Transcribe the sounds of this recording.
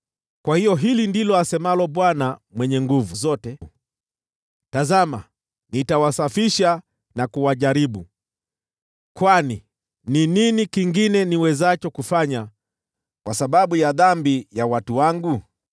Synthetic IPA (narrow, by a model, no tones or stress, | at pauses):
kwahijɔɦilindilɔasɛmalɔɓwanamwɛɲɛŋɡuvuzɔtɛ | tazama̰ | nitawasafiʃa | nakuwaʄaɾiɓu | kwani | nininikiŋɡinɛniwɛzat͡ʃɔkufaɲa | kwasaɓaɓujaðambijawatuwaŋɡu